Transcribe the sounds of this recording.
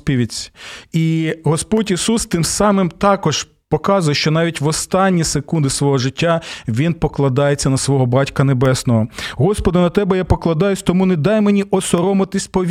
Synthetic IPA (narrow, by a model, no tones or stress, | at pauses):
pʲiʋʲit͡sʲiɦɔspɔtʲisust̪ɪmsɑmɪmt̪ɑkɔʒ | pɔkɑzʊjʃt͡ʃɔnɑʋʲitʲʋɔst̪ɑnʲːisekund̪ɪsʋɔɦɔʒɪtʲːaʋʲinpɔklˠɐd̪ɑjet͡sʲːɐnɐsʋɔɦɔbɑtʲkɐnebɛsnɔɦɔɦɔspɔd̪ɪnɐt̪ɛbɛjapɔklˠɐd̪ɑjʊsʲt̪ɔmunɛd̪ɑjmenʲiʔɔsɔɾɔmɐt̪ɪsʲpɔʋʲ